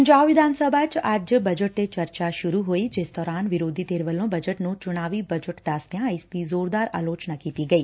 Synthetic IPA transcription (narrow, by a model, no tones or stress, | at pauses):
d͡ʒaʋɪd̪ʱansəbʱat͡ʃad͡ʒbəd͡ʒəʈːet͡ʃəɾt͡ʃaʃʊɾuɦoid͡ʒesd̪ɔːɾanʋɪɾod̪ʱit̪eɾʋəlõbəd͡ʒəʈnũt͡ʃʊɽ̃aʋibəd͡ʒəʈd̪ast̪jãist̪izoːɾd̪aɾa̰ːlot͡ʃnakit̪iɡəi